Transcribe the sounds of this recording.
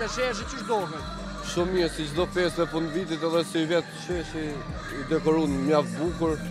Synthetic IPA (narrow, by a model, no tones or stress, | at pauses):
ɐʃɛʃ̬ət͡ʃəʃd̪ɔɣən | ʃumiɛsit͡ʃd̪ɔfɛst̪ɛfund̪vit̪̬it̪ɛðɛsivɛt̪ʃɛʃi | id̪ɛkɔɾunmjavbukuɾ